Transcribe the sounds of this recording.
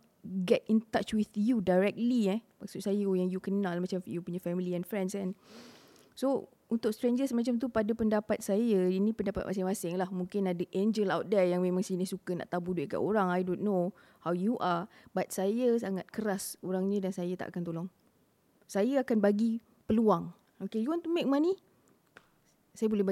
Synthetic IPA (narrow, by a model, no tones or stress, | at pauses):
ɡɛt̪̚int̪at͡ʃwiθjudajɹɛk̚tliɛmaksut̪̚sajəjaŋjukənalmat͡ʃamjupuɲafɛmiliɛnfɾɛ̃ndskan | so | unt̪ʊk̚st̪ɾeɲd͡ʒəsmat͡ʃamt̪̬upadapəndapat̪̚sajəinĩpəndapa̰t̪̚mas̬ɪŋmasɪŋlahmũŋkɪnadəʔend͡ʒəlawt̪̚dɛjaŋmẽmãŋsinɪhsukəna̰ʔt̪abudueʔka̰ʔoɾaŋajdonːo | hawjuʔabat̪̚sajəsaŋat̪̚kəɾasoɾaŋɲədansajat̪a̰ʔa̰kant̪olɔŋ | sajaakanbaɡi | pəluaŋ | okejuwant̪umek̚mani | sajəbolɛba